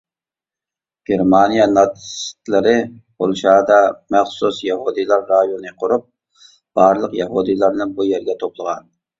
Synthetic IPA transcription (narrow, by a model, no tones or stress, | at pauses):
ɡ̥ʲeɾmɑnijɑnɑt̪ʰst̪lɪɾɪbolˠʃɑːd̪ɑmæχsusjɑhud̪ɨlˠɑɾːɑjonɨqʰʊɾup̚ | b̥ɑɾlˠəqjɑɦud̪ɨlˠɑɾnɨnbujɛɾɡʲɛt̪ʰoplˠəʁɑn